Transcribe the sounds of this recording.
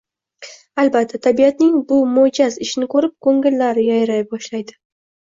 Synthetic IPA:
albat̪ʰːat̪ʰabijat̪nɪŋbʊmod͡ʒazɪʃnɪkʰoɾɪp̚kʰɵŋɪlːaɾɪjajɾajbɒʃlajd̪ɪ

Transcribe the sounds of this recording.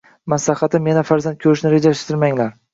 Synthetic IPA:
maslahɑt̪ʰɪmjenafaɾzant̪̚kʰɵɾɪʃnɪɾe̞d͡ʒaʃt̪ʰɪɾmaŋlaɾ

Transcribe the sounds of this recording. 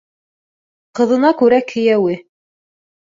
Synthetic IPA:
qɤ̆ðɤ̆nɑkʉɾækʰɘ̆jæwɘ

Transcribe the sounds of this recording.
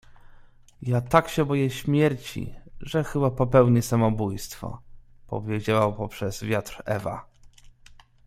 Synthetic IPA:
jat̪akɕɛbɔjɛɕmʲjɛɾt͡ɕḭʐɛxɘbapɔpɛwɲɛsamɔbujst̪fɔ̰pɔ̰vʲjed͡ʑawapɔpʂɛz̥vʲjat̪ɾɛ̰va̰

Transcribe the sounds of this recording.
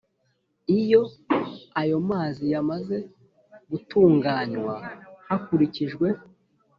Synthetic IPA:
ijo̞ | ajo̞maːzijamaze̞ | ɡutuːŋɡaːɲwahakuɾiciʒɡwe̞

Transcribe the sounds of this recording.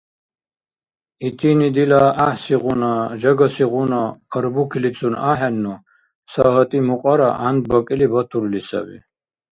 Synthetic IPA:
it̪ʰinid̪ilaahsiʁunaʒaɡasiʁunaəɾbukʰilit͡sʼʰunaħɛnːu | saɦət̪ʼimuqʼaɾa̰ʔand̪̚bɔkʼilibat̪ʰuɾlisa̰bḭ

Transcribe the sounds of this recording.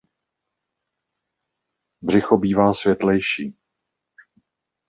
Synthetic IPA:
br̝ɪxobiːvaːsvjɛt̪lɛjʃiː

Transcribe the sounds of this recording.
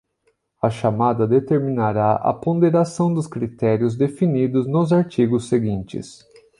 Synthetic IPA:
ɐʃamad̪ɐd̪et̪eɾmĩnaɾaʔɐ̰põd̪eɾasɐ̃w̃d̪ʊskɾit̪ɛɾjʊzd̪efinid̪ʊznʊzaɾt͡ʃiɡʊsːeɡĩnt͡ʃɪ̰s

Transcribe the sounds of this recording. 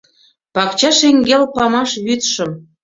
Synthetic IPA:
pɑkt͡ɕɑʃeŋɡelpɑmɑʃβyt̪ʃə̆m

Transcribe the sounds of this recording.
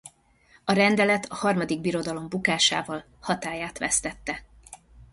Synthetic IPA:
ɒɾɛnd̪ɛlɛt̪ɒhɒrmɒd̪iɡbiɾo̞d̪ɒlo̞mbukaːʃa̰ːvɒl | hɒt̪aːjaːt̪ʋɛ̰st̪ɛt̪ːɛ

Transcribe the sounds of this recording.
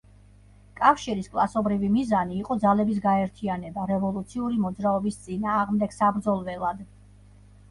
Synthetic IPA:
kʼafʃiɾiskʼlˠasɔbɾivimizaniːqʼɔd̪zalɛbis̬ɡaɛɾt̪ʰianɛbaɾɛvɔlˠut̪sʰiuɾimɔd̪zɾaɔbist̪sʼinaːʁmd̪ɛɡsabɾd̪zɔlˠvɛlˠad̪

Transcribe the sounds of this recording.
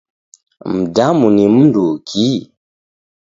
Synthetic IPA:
m̩damunim̩ndukʰi

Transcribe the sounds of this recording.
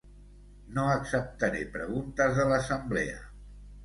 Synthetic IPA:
noəksəp̚t̪əɾepɾəɣ̞unt̪əzðələsəmblḛə̰

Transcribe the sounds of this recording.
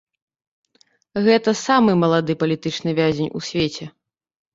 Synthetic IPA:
ɣɛt̪ɐsamɨmɐlˠad̪ɨpɐlʲit̪ɨt͡ʂnɨvʲazʲenʲṵsʲvʲet͡sʲɛ

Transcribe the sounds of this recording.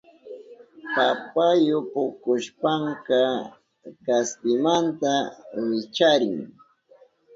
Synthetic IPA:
papajʊpʊkʊʃpaŋka | kaspɪmant̪awɪt͡ʃaɾɪŋ

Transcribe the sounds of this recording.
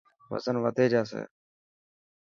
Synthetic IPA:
ʋə̰zənʋəd̪eːd͡ʒaːs̬ḛː

